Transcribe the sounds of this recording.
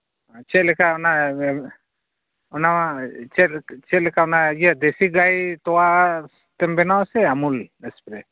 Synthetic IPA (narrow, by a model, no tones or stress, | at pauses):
t͡ʃɛt̪lɛkaɔna | ɔnaat͡ʃɛtt͡ʃɛt̪̚lɛkaɔnaiad̪ɛsiɡajt̪ɔwas | t̪ɛmbɛnawsɛamulɛspɾɛ